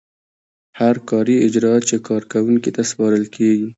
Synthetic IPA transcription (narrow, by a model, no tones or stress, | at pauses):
haɾkɑɾiɪd͡ʒɾɑt͡ʃekʰɑɾkawuŋkit̪aspɑɾəlkʰeɡi